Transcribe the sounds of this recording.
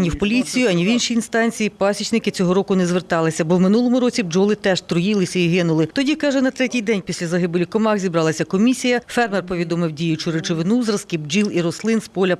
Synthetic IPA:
nʲiwpɔlʲit͡sʲijʊɐnʲiwinʃiːnst̪ɑnʲt͡sʲijipɑsʲit͡ʃnɪkɪt͡sʲɔɦɔɾɔkʊnɛzʋert̪ɑlˠɪsʲɐbɔwmɪnulˠɔmʊɾɔt͡sʲibd͡ʒɔlˠɪt̪ɛʒ̥t̪ɾʊjilˠɪsʲɐiɦɪnʊlˠɪt̪ɔdʲikɑʒɛnɐt̪ɾɛtʲijd̪ɛnʲpʲisʲlʲɐzɐɦɪbɪlʲikɔmɑxzʲibɾɑlˠɐsʲɐkɔmʲisʲijɐfɛrmɛrpɔʋʲid̪ɔmɪwdʲijʊt͡ʃʊɾet͡ʃɔʋɪnuzɾɐskʲibd͡ʒilˠiɾɔslˠɪnspɔlʲɐ

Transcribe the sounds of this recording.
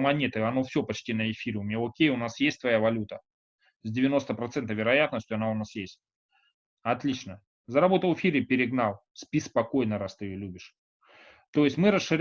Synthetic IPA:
mɐnʲet̪ɨɐno̞fsʲɵpɐt͡ɕtʲinəɪfʲiɾʲɪʊmʲeokʲejʊnasjesʲt̚ʲt̪vɐjavɐlʲut̪ə | zʲdʲɪvʲɪno̞st̪əpɾɐt̪sɛnt̪əvʲɪɾɐjat̪nəsʲtʲʊɐnaʊnasjesʲt̚ʲ | ɐt̪lʲit͡ɕnə | zəɾɐbo̞t̪əlˠfʲiɾʲɪpʲɪɾʲɪɡnalˠ | spʲispɐko̞jnəɾast̪ɨɪjolʲubʲɪʂ | t̪o̞jɪsʲtʲmɨɾəsʂɨɾʲ

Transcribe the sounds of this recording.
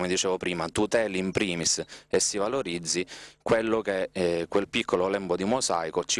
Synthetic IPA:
med̪it͡ʃɛːvopɾiːmat̪ut̪ɛːliimpɾiːmisesːivaloɾid̪zːikwelːokekwelpikʰːololɛmbod̪imosa̰jkot͡ʃi

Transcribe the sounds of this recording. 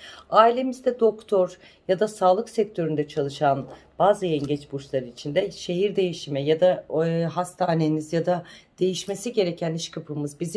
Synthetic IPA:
aːilʲe̞mizd̪ɛd̪o̞kt̪ʰoɾ | jad̪asaːlˠɯksɛc̚t̪ʰø̞ɾynd̪ɛt͡ʃʰalˠɯʃanb̥aːzɯjɛɲɟɛt͡ʃbut͡ʃlˠaɾɯit͡ʃʰind̪ɛʃe̞ɦiɾd̪e̞jiʃimɛjad̪aɦast̪ʰaːne̞nizjad̪ad̪̥e̞jiʃme̞siɟe̞ɾecʰæniʃkʰapʰɯmɯzbizi

